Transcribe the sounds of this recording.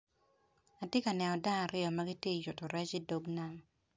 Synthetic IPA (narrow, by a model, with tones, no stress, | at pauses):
a˨tje˦ka˨nɛ˨nɔ˨da˦a˨ɾɪ˦ɔ˨ma˦ɡi˦tje˦i˨jʊ˨tɔ˨ɾɛ˦t͡ʃi˦do˦ɡna˦m